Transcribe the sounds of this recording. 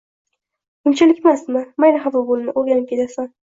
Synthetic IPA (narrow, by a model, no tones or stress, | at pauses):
ʊmt͡ʃʰalɪkʲmast̪mamajnaɦavabʊnɪnɪʔoɾɡʲanɪp̚kʰʲe̞t̪ʰasa